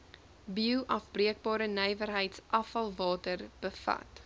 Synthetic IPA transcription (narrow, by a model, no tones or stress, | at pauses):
biuwʔɐfbriək̚bɑːɾənɛjvərɦəjtsʔɐfɐlˠvɑːtərb̥əfɐ̰t